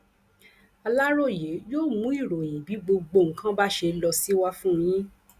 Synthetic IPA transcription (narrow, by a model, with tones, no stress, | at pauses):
a˧la˦ɾo˦˨je˨˦joː˦˨mũ˨˦i˦˨ɾo˨j̃ĩ˨bi˨˦ɡ͡bo˧ɡ͡bo˧˨ŋ̩˦kã˦ba˦ʃe˧lɔ˧si˦wa˦fũ˦jĩ˦